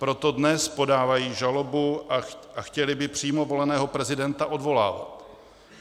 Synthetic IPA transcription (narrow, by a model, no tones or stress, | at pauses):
pɾo̞t̪o̞dnɛspo̞daːvajiːʒalo̞buʔaaxcɛlɪbɪpr̝̥iːmo̞vo̞lɛnɛːɦo̞pɾɛzɪdɛnt̪aʔo̞dvo̞la̰ːva̰t̪